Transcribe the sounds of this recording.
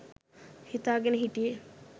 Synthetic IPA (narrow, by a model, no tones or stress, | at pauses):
hit̪aːɡɐneɦiʈi